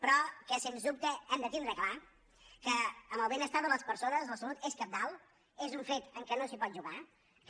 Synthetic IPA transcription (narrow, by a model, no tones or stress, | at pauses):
pɾɔkəsenzðup̚t̪əɛmd̪ət̪indɾəkla | kəːməlˠβɛnəst̪aðələspəɾsonəzləsəlut̪ɛskəp̚d̪aw | ezuɱfet̪əŋkənosipɔt̪ʒuɣa | k